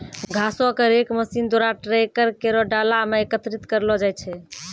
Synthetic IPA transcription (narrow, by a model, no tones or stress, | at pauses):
ɡʱasõkəɾekməsind̪oɾaʈɾekəɾkeɾɔɖalameekət̪ɾit̪kəɾlɔd͡ʒaj̪t͡ʃʰɛ